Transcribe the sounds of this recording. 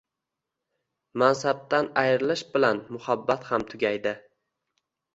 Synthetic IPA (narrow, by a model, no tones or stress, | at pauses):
mansab̚t̪anajɾɪlɪʃbɪlanmʊhabːat̪hamt̪ʰʊɡʲajd̪ɪ